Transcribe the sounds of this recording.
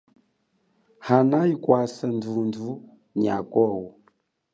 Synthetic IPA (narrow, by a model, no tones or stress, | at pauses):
hanaikwasandundu | ɲiakɔwu